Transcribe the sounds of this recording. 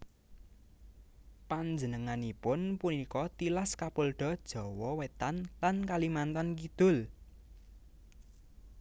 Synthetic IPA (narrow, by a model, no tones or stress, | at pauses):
paɲd͡ʒənəŋanipʊnpunikɔt̪ilaskapolɖ̥ɔ̤d̥ʒ̥ɔ̤wɔwet̪anlankalimant̪ankid̪̥ʊ̤l